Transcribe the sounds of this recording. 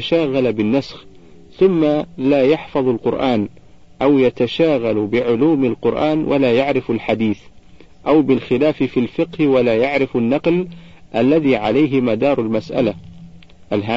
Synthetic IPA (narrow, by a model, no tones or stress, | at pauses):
ʃaːɣalabɪnːasx | θʊmːalaːjaħfɑðˤalqʊɾʔaːn | ʔawjat̪aʃaːɣalbɪʕʊluːmalqʊɾʔaːnwʔalaːjaʕɾɪfalħad̪iːθ | ʔawbɪlxɪlaːfɪfiːlfɪqhɪwalaːjaʕɾɪfanːɑqlʔalːaðiːʕalajɦɪmad̪ɑːɾˤalmasʔa̰la | ʔalɦaː